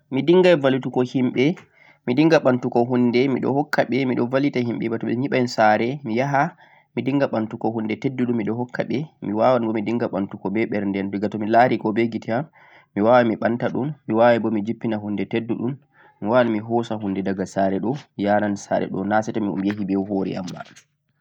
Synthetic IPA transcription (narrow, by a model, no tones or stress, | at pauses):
midiŋɡajvalitukɔhimɓɛ | midiŋɡaɓantukɔɦundɛmiɗɔ̰hɔkʰːaɓɛmiɗɔvalitahimɓɛ̰batɔɓɛɲiɓansaɾɛmijaɦa | midiŋɡaɓantukɔhundɛtedːuɗumːiɗɔhɔkʰːa̰ɓɛmiwawanbɔmidiŋɡaɓantukɔbɛɓɛɾndɛnduɡatɔmilaɾikɔbeɡitʰɛamː | iwawamiɓantaɗummiwawabɔmid͡ʒipːinaɦundɛtedːuɗun | miwawanmiɦɔsahundɛdaɡasaɾɛɗɔijanansa̰ɾɛ̰ɗɔ̰nasɛtɔmḭjaɦibɛwhoɾɛ̰a̰mba̰